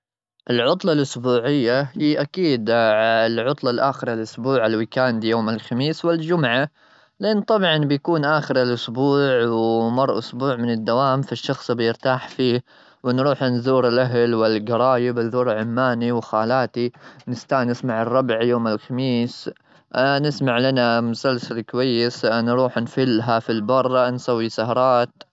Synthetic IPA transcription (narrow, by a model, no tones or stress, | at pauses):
ʔɪlʕʊt̪ˤlɑlʔʊsbuːʕɪjːahiːʔakiːd̪lʕʊt̪ˤlɑlʔaːxɪɾalʔʊsbuːʕalwɪkaːnd̪joːmɪlxamiːswɪld͡ʒʊmʕa | lɪʔɪnːt̪ˤɑbʕɑnbɪjakuːnʔaːxɪɾɪlʔʊsbuːʕwmɑrˤːʔʊsbuːʕmɪnɪd̪ːawaːmfaʃːɑxsˤbɪjɪɾt̪aːħfiː | wɪnɾuːħʔanðuːɾɪlʔaɦlwɪlɡɑɾˤɑːjɪbɪðuːɾʕʊmːaːniwxaːlaːt̪inɪst̪aːnɪsmaʕɑrˤːɑbʕjoːmɪlxamiːs | nɪsmaʕlanamʊsalsalkʊwajːɪsnɾuːħnfɪlːɦafilbɑrˤːɑnsawːisahɑɾˤɑːt̪